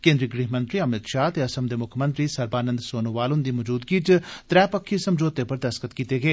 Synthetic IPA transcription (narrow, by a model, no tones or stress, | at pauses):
kẽːnd̪ɾiːɡɾiːɦmə̃nt̪ɾiːəmɪt̪ʃaːt̪eːɐsəmd̪eːmʊkʰmə̃nt̪ɾiːsəɾbaːnə̃nd̪soːnoʋaːlond̪iːməd͡ʒuːd̪ɡiːt͡ʃt̪ɾɛːpəkʰːiːsəmd͡ʒoːt̪eːpəɾd̪əskət̪kiːt̪eːɡeː